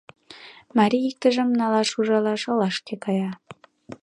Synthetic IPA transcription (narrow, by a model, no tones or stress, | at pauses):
mɑɾʲiik̚t̪ə̆ʒĕmnɑlɑʃuʒɑlɑʃɤ̆lɑʃkekɑjɑ